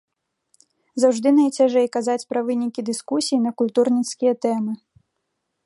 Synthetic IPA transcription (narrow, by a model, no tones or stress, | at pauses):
zawʐd̪ɨnɐjt͡sʲaʐɛjkazat͡sʲpɾɐvɨnʲikʲid̪ɨskusʲijinɐkulʲt̪urnʲit̪skʲijɐt̪ɛmɨ